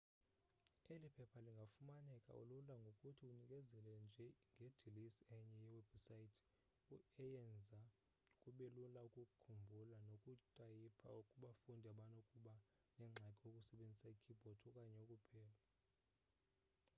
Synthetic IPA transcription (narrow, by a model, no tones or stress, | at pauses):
elipʰɛpʰaliŋɡʱafumanɛkʼa̰ṵlulaŋɡʱokʼutʰiunikʼɛzɛlɛnd͡ʒʱɛŋɡʱed̥ʱilisɛɲɛjɛwɛb̥saitʰ | uɛjɛnd͡zʱa | kʼuɓelulaukʼukʼukʰumbʱulanokʼutʼajipʰa̰ukʼuɓafundʱiaɓanokʼuɓa | nɛŋ͡ǁʱakʼiokʼusɛɓend͡zʱisaikʰib̥ʱɔdʰɔkʼaɲɛokʼupʰɛːla